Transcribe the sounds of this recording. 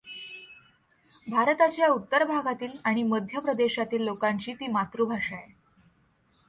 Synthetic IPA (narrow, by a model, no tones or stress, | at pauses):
bʱaɾt̪at͡ɕjaut̪ːəɾbʱaɡat̪iːlaɽ̃iməd̪ʱjəpɾəd̪eɕat̪iːlːokaɲt͡ɕiːt̪iːmat̪ɾubʱaʂae